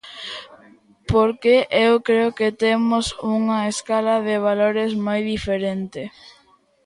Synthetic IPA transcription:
poɾkeʔewkɾeʊket̪emʊsuŋɐeskalɐðeβ̞aloɾezmojðifeɾent̪ɪ

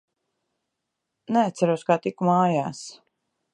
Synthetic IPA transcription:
nɛat̪sæɾuwskaːt̪ikumaːjaːs

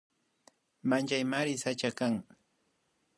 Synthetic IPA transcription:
mant͡ʃajmaɾɪsat͡ʃakaŋ

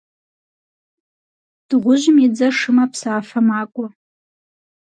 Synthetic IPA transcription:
d̥ʁʷʊʒmid͡zɐʂɨmapʰsaːfɐmaːkʷʼɔ

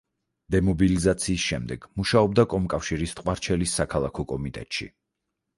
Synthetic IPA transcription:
d̪̥ɛmɔbilizat̪sʰiːsʃɛmd̪ɛɡ̥muʃaɔbd̪akʼɔmkʼafʃiɾist̪ʼqʼwaɾt͡ʃʰɛlisːakʰalˠakʰɔkʼɔmit̪ʼɛ̰t̪ʼʃḭ

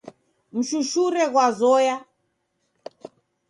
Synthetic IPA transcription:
m̩ʃuʃuɾɛɣwazɔja

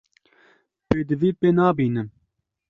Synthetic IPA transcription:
peːd̪ɨviːpeːnaːbiːnɨm

